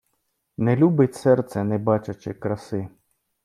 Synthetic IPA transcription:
nɛlʲubɪtʲsɛrt̪sɛnɛbat͡ʃɐt͡ʃɪkɾɐsɪ

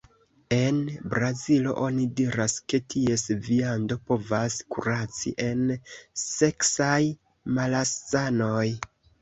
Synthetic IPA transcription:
e̞nbɾazilo̞̰ʔo̞nidiɾaske̞tʰie̞sviando̞po̞vaskuɾat͡sḭʔe̞nse̞ksaj | malast͡sano̞j

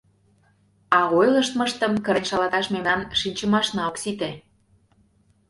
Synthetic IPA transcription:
ɑɣojləʃt̪mə̆ʃt̪ə̆mkə̆ɾenʲʃɑlɑt̪ɑʃmemnɑnʃinʲt͡ɕə̆mɑʃnɑoksit̪e

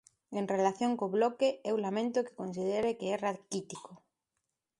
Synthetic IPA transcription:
eŋrelaθjoŋkoβlɔkeɛwlamẽnt̪ʊke̥kons̬ið̞eɾekeɛraðkit̪iko

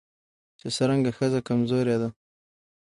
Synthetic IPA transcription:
t͡ʃesəɾaŋɡaxəzakamzoɾjad̪a

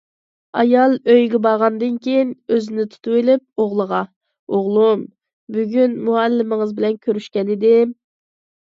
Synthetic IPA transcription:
ɑjɑlˠøjɡʲɛbɑʁɑnd̪ɨnkʲʰejinøzɪnɪt̪ʰu̥t̪ʰuwelɪp̚oʁlˠəʁɑ | oʁlˠum | byɡʲynmuɛlːɪmɪŋɨzbɪlɛnkʲʰøɾyʃkʲɛnɪd̪ɪ

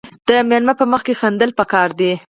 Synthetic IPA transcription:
d̪̥əmjɑnmapəməxkexand̪əlpəkɑɾd̪i

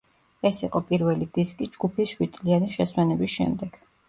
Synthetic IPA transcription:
ɛsiqʼɔpʼiɾvɛlid̪iskʼid͡ʒɡupʰisʃwid̪sʼlianiʃɛswɛnɛbisʃɛ̰md̪ɛɡ̥

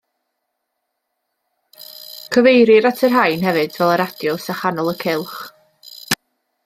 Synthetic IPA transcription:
kʰəvejɾɪɾatʰərɦajnhɛvɨdvɛlˠəɾad̥jɔsaχanɔlˠəkʰɪlˠχ

